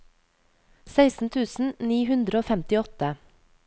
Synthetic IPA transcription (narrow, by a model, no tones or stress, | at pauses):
sæɪsn̩t̪ʰʉːsn̩niːhʉnd̪ɾəoːfɛmt̪ɪɔt̪ə